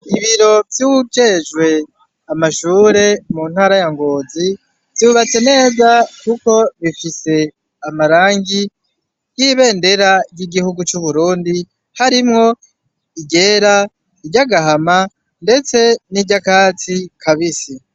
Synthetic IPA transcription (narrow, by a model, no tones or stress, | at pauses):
iβiɾo̞vjud͡ʒeʒɡwe̞ | amaʃuːɾe̞mun̥haːɾajaŋɡoːzi | z̥uβat͡se̞ne̞ːzakuko̞βifise̞ | amaɾaːŋɡi | jiβe̞ːnde̞ɾaɾjiɡihuɡut͡ʃuβuɾuːndi | haɾimŋo̞ | iɟe̞ːɾa | iɟaɡaɦama | nde̞t͡se̞niɟakaːt͡sikʰaβisi